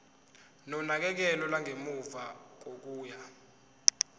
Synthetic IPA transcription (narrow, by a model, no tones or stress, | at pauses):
nɔnak̬ɛk̬ɛlɔlaŋʱemuvak̬ok̬uːja